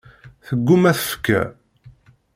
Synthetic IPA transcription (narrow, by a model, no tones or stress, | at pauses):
θəɡːumæθə̥fkːæ̰